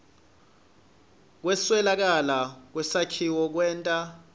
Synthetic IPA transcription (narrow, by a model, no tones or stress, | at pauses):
k̬wɛswɛlak̬alak̬wɛsakʰiwɔk̬wɛːntʼa